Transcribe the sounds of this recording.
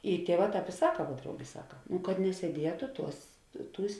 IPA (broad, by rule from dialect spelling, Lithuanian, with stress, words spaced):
ɪ ˈtʲiɛˌʋɑː ˈtɑːp ɪ ˈsɑːkɐ ʋuɔ ˈdrɐʊɡʲeː ˈsɑːkɐ nʊ kɐt nʲɛsʲiɛˈdʲiɛtʊ ˈtuɔs ˈtuːsʲ